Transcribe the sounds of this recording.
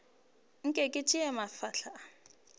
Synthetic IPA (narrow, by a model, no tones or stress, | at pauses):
ŋ̩kʼɛkʼɪt͡ʃʼɪɛmafaɬa